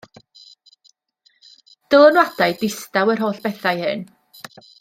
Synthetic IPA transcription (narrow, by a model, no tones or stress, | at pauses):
d̥əlˠənwadajdɪstawərɦoːɬb̥ɛθajhɨ̰n